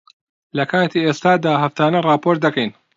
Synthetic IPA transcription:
lɐkʰaːt̪ʰiːeːst̪aːd̪aːɦɐft̪aːnɐrɑːpoːɾt̪̚d̪ɐkɛjn

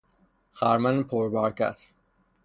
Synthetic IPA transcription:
xæɾmænpʰoɾbæɾkæ̰t̪ʰ

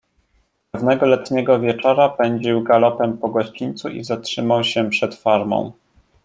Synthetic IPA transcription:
pɛvnɛɡɔlɛt̪ɲɛɡɔvʲjɛt͡ʂɔɾapɛɲd͡ʑiwɡalɔpɛmpɔɡɔɕt͡ɕiɲʲt̪suʔḭzatʂɘmawɕɛpʂɛt̪faɾmɔ̰̃w̃

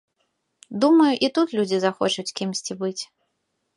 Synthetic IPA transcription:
d̪umɐjuʔit̪ut̪lʲud͡zʲizaxɔt͡ʂut͡sʲkʲimsʲt͡sʲibɨt͡sʲ

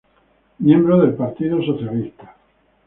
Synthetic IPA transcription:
mjẽmbɾoðe̞lpaɾt̪iðosoθjalist̪ḁ

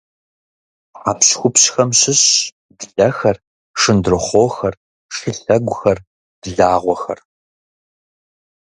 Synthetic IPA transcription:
ħaːpɕxʷʊpɕxɐmɕɪɕ | dɮɐxɐr | ʂɨndrɨχʷoːxɐr | ʂɨɬɐɡʷʊxɐr | d̥ɮaːʁʷɔxɐ̰r

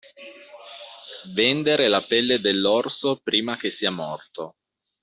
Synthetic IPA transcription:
vend̪eɾelapɛlːed̪elːɔrsopɾiːmak̟esːiːamɔrt̪o

